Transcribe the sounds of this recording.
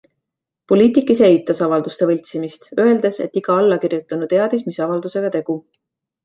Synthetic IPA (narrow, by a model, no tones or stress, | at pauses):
po̞lʲiːt̪ikˑːise̞jt̪ːˑɑsɑvɑld̪ust̪e̞vɤlʲt̪simist̪ø̞e̞ld̪̥e̞se̞̰t̪ːiɡ̥ɑɑlːɑkirjut̪ːˑɑnut̪e̞ɑd̪̥ismisɑvɑld̪use̞ɡ̥ɑt̪e̞ɡ̥u